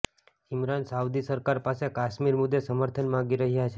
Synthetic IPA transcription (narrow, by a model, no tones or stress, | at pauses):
imɾansawd̪isəɾkaɾpasekaʃmiɾmʊd̪ʱːesəməɾt̪ʰənmãɡiɾəɦjat͡ʃʰe